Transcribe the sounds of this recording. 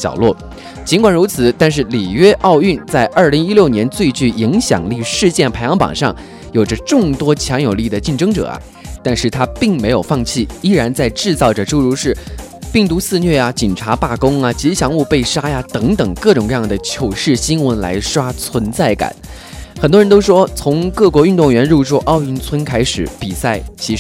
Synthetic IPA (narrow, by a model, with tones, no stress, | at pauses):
ɕjɑ̰˨˩ʊlwɔ˥˩ | t͡ɕi˧˥nkwa˨˩nɻu˧˥t͡sʰɹ̩˨˩˦t̪a˥˧nʂ̬ɻ̩˥˩li˨˩ɥɛ˥ʔɑ˥˧ʊy˥˩˧nt͡sa˥˧ɪʔə˞˥˩li˧˥ŋi˥ljo˥˩ʊnjɛ˧˥nt͡swe˥˧ɪt͡ɕy˥˩i˧˥ŋɕjɑ̰˨˩ŋli˥˧ʂɻ̩˥˧t͡ɕjɛ˥˩npʰa˧˥ɪjɑ˧˥ŋpɑ̰˨˩ŋʂɑ˥˩ŋ | jo˨˩ʈ͡ʂə˦ʈ͡ʂʊ˥˩ŋt̪wɔ˥t͡ɕʰjɑ˧˥ŋjo˨˩li˥˩d̪ə˩t͡ɕi˥˩nʈ͡ʂɤ˥ŋʈ͡ʂɤ̰˨˩ɐ̰˦ | t̪a˥˧nʂɻ̩˥˩t̪ʰa˥pi˥˩ŋme˧˥ɪjo˨˩ʊfɑ˥˧ŋt͡ɕʰi˥˩i˥ɻa˧˥nt͡sa˥˧ɪʈ͡ʂɻ̩˥˧t͡sɑ˥˩ʊʈ͡ʂə˨˩ʈ͡ʂo˥˧ʊɻu˧˥ʂɻ̩˥˧ | pi˥˩ŋt̪u˧˥sɹ̩˥˧nɥɛ˥˩ja˩t͡ɕi˨˩nʈ͡ʂʰa˧˥pa˥˩kʊ˥ŋɐ˨t͡ɕi˧˥ɕjɑ˧˥ŋu˥˧pe˥˩ɪʂa˥ja˨t̪ɤ˧˥ŋt̪ɤ˨˩ŋkɤ˥˩ʈ͡ʂʊ˨˩ŋkɤ˧jɑ˥˩ŋd̪ə˩t͡ɕʰjo˨˩ʊʂɻ̩˥˩ɕi˥nwə˧˥nla̰˧˥ɪʂwa˥t͡sʰwə˧˥nt͡sa˥˩ɪka̰˨˩˦n | xə˨˩nt̪wɔ˥ɻə˧˥nt̪o˥ʊʂwɔ˥t͡sʰʊ˧˥ŋkɤ˥˩kwɔ˧˥y˥˧nt̪ʊ˥˩ŋɥɛ˧˥nɻu˥˧ʈ͡ʂu˥˩ʔɑ˥˧ʊi˧˥nt͡sʰwə˥nkʰa˥ɪʂɻ̩˨˩˦pi˨˩sa˥˩ɪt͡ɕʰi˧˥